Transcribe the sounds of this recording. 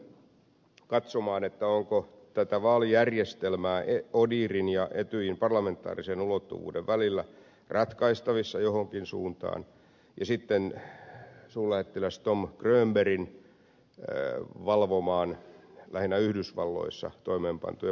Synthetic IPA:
kɑt̪somɑːnet̪ːæoŋko | t̪æt̪æʋɑːlijærjest̪elmæːʔeodiːrinjɑʔet̪yimpɑrlɑment̪ːˑɑ̰ːrisenulot̪ːṵʋṵːdeʋʋælilːæ | rɑt̪kɑist̪ɑʋisːɑjohoŋkinsṵːnt̪ɑ̰ːn | jɑsit̪ːen | suːllæhet̪ːelæst̪omkrøːmberin | ʋɑlʋomɑːnlæhinːæyhdysʋɑ̰lːo̰isːɑ̰t̪oimeːmpɑ̰nt̪uj

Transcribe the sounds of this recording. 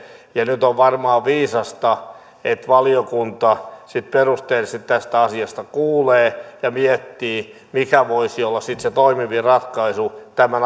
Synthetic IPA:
jɑnyt̪oʋʋɑrmɑːʋiːsɑst̪ɑ | et̪ʋɑliokunt̪ɑsit̪perust̪eːlsit̪t̪æst̪æɑsiɑst̪ɑkuːleːjɑmiet̪ːiː | mikæʋoisiolːɑssit̪set̪oimiʋirɑt̪kɑisut̪æmæn

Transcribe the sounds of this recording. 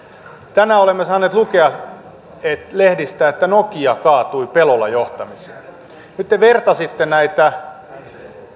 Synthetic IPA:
t̪ænæolemːesɑːneːt̪lukeɑ | et̪lehdist̪æːet̪ːænokiɑkɑːt̪uipelolɑ̰joht̪ɑmise̥ː | nyt̪ːeʋert̪ɑsit̪ːenæit̪æ

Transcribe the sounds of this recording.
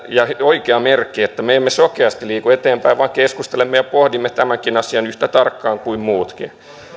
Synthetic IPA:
jɑhoikeɑmerkːiet̪ːæmeemːesokeɑst̪iliːkuet̪eːmpæiʋʋɑːŋkeskust̪elemːejɑpohdimːet̪æmæŋkinɑsiɑnyht̪æt̪ɑrkːɑːŋkuimmuːt̪kḭ

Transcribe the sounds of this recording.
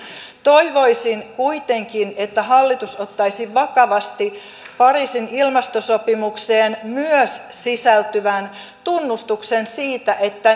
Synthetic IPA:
t̪o̞iʋo̞isinkuit̪e̞ŋkine̞t̪ːæɦɑlːit̪usot̪ːɑisiʋɑkɑʋɑst̪i | pɑriːsinilmɑst̪osopimukseːnmyøssisælt̪yʋæn | t̪unːust̪uksensiːt̪æʔe̞t̪ːæ

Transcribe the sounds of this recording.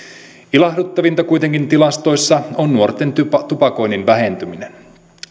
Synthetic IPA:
ilɑhdut̪ːɑʋint̪ɑkujt̪e̞ŋkint̪ilɑst̪o̞jsːɑonːuort̪ːˑent̪yɑt̪upɑko̞jninʋæɦe̞nt̪yminen

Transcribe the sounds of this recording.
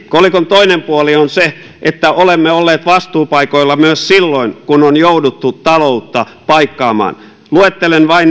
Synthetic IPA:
kolikont̪oinempuolionse | ʔet̪ːæʔolemːeolːeːt̪ʋɑst̪uːpɑikoilːɑmyøssilːoinkunonjoudut̪ːut̪ɑlout̪ːɑ | pɑikːɑːmɑ̰ːn | luet̪ːelenʋɑin

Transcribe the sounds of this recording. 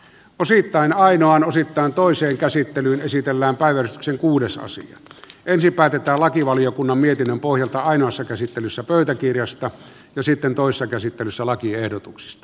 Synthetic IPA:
ʔosit̪ːɑˑinɑˑinoɑnosit̪ːɑˑent̪oˑiseːŋkæsit̪ːelyːnesit̪elːæːmpæˑiʋæryst̪y̥kseŋkuːdesɑ̰sḭɑ̰ʔensimpæːt̪et̪ˑæːlɑkiʋɑlijokunːɑmmiet̪inːømpohjɑlt̪ɑɑˑinoɑsːɑkæsit̪ːelysːæpøˑyt̪ækirjɑst̪ɑ | jɑsit̪ːent̪oˑisesːɑkæsit̪ːelysːælɑkiehdot̪uksi̥st̪ɑ̥

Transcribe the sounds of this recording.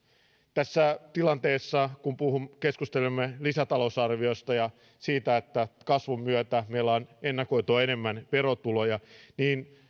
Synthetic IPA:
t̪æsːæt̪ilɑnt̪e̞ːsːɑkumpuhumke̞skust̪e̞lemːelisæt̪ɑlo̞sɑrʋio̞st̪ɑjɑ | siːt̪æet̪ːækɑsʋumːyøt̪æmelːɑːnenːɑko̞jt̪uɑene̞mːænʋeɾo̞t̪ulo̞jɑniːn

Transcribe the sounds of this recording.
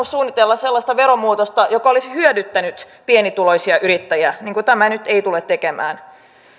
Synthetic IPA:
ussuːnːit̪elːɑsselːɑst̪ɑʋeɾomuːt̪ost̪ɑjokɑolishyødyt̪ːænyt̪ | pienit̪uloisiɑʔyɾit̪ːæjæniːŋkut̪æmænyt̪eit̪ulet̪t̪ːekemæ̰ːn

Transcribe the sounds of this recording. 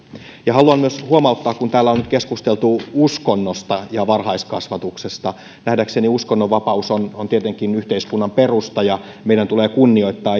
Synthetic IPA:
jɑhɑluɑmmyøshuomɑut̪ːɑːkkunt̪æːlːæonnyt̪keskust̪elt̪uuskonːost̪ɑjɑʋɑrhɑiskɑsʋɑt̪uksest̪ɑ | næhdækseniuskonːoʋʋɑpɑusonont̪iet̪eŋkinyht̪eiskunːɑmperust̪ɑjɑ | meijdænt̪uleːkunːio̞it̪ːɑː

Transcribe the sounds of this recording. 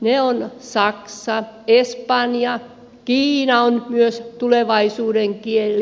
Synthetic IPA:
neonsɑksɑespɑnjɑ | kiːnɑonmyøst̪uleʋɑisuːdeŋkielː

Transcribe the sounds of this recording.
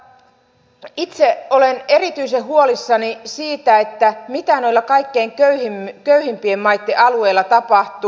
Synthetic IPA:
it̪seo̞lene̞ɾit̪yjseɦuo̞lisːɑnisiːt̪æe̞t̪ːæmit̪ænojlːɑkɑjkːe̞jŋkøyhimkøyhimpiemːɑjt̪ːeʔɑlue̞jlːɑt̪ɑpɑht̪u

